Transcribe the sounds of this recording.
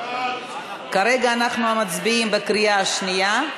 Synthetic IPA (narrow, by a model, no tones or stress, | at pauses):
kaɾeɡaːnaχnuamat͡sbiimbekɾijaaʃnija